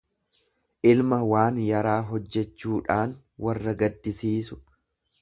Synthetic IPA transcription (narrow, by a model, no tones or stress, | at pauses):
ʔɪlmɐwaːnjɐɾaːɦɔd͡ʒːɛt͡ʃːuːᶑaːn | wɐrːɐɡɐd̪ːɪsiːsʊ̥